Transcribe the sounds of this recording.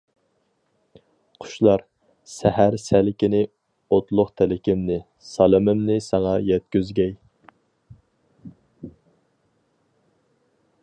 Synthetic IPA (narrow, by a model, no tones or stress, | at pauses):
qʰʊ̥ʃlˠɑɾ | sɛhæɾsælɪkʲɪnɪ | ot̪lˠʊχt̪ʰælɪkʲɪmnɪ | sɑlˠɨmɪmnɪsɑŋɑjɛt̪̚kʲyzɡʲɛj